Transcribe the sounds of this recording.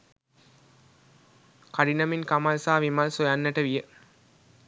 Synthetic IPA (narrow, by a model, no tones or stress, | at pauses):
kaɖinɐminkamalsaːʋimɐlsojanːəʈəʋijə